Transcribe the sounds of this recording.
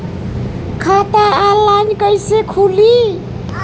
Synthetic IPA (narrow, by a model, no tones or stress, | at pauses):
kʰat̪aalankəjsekʰuli